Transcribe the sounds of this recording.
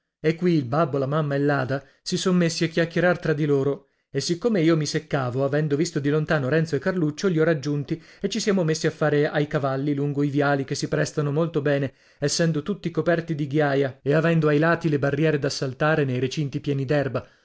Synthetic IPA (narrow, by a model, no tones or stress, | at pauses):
ekːwiːlbabːolamamːaelːaːd̪a | sisonmesːiakjakːeɾart̪ɾad̪ːiloːɾo | esːikːomeiːomisekːaːvoavɛnd̪ovist̪od̪ilont̪aːnoɾɛnt̪soekːarlut͡ʃːoʎiɔrad͡ʒːunt̪iet͡ʃːisjaːmomesːiafːaːɾeajkavalːiluŋɡoivjaːlik̟esːipɾɛst̪anomolt̪obɛːne | ɛsːɛnd̪ot̪ut̪ːikopɛrt̪id̪iɡjaːjaeavɛnd̪oajlaːt̪ilebarːjɛːɾed̪asːalt̪aːɾenejɾet͡ʃint̪ipjɛːnid̪ɛrba